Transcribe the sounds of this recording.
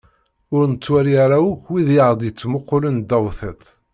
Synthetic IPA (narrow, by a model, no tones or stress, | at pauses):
ʊɾnət͡sːwæɾijæɾæwukːwiðjaʁd̪jət͡sːmʊqːʊlənd̪æwθət̪